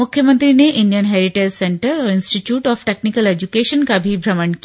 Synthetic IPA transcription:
mʊkʰːjəmə̃nt̪ɾineʔɪ̃nijənɦɛɾiʈeːzsẽɳʈəɾɔːɾɪ̃nsʈiʈjuːʈɔːfʈeknikəled͡ʒukeːʃənkabʱibʱɾɐməɳki

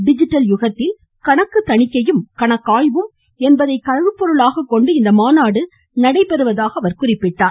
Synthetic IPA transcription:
ɖɪd͡ʒɪʈːɐljʊɣɐt̪ːɪl | kɐɳɐkːɯt̪ːɐɳɪkːɐjɯmkɐɳɐkːaːjʋɯm | ɛnbɐðɐɪkɐɻɐʋɯpːɔɾɯɭaːɣɐkːɔɳɖɯɪnd̪ɐmaːnaːɽɯ | nɐɽɐɪpɛɾɯʋɐðaːɣɐːɐʋɐɾkʊrɪpːɪʈːaːn

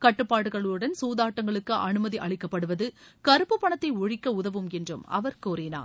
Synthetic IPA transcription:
kɐʈːɯpːaːɽɯɣɐɭɯɽɐnsuːðaːʈːɐŋɡɐɭɯkːɯʔɐnɯmɐðiʔɐɭɪkːɐpːɐɽɯʋɐðɯkɐɾɯpːɯpːɐɳɐt̪ːɐɪɔɻɪkːɐʊðɐʋɯmɛndrɯ̰mɐ̰ʋɐɾkoːɾɪna̰ː

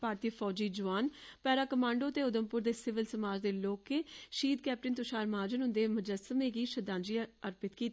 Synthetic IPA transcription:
paːɾt̪iːfʰɔːd͡ʒiːd͡ʒʊʋaːnpɛːɾaːkəmãːɳɖoːət̪eːʊd̪əmpʊɾd̪eːsɪʋɪlsəmaːd͡ʒd̪eːloːkːeːʃiːd̪̚kɛːp̚ʈɪnt̪ʊʃaːɾmaːd͡ʒənɦʊ̃nd̪eːmʊd͡ʒəsəmeːɡiːʃəd̪ãːnd͡ʒiəɾpɪt̪kiːt̪ː

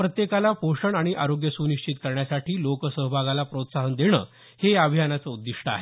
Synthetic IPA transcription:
pɾət̪jekalapoʂəɳaɽ̃iʔaɾoɡjəsuniɕt͡ɕit̪kəɾɳjasaʈʰiːlokəsəɦbʱaɡalapɾot̪saɦənd̪eɽ̃ə̰ː | heabʱijanat͡səud̪ːiʂʈəa̰ɦe

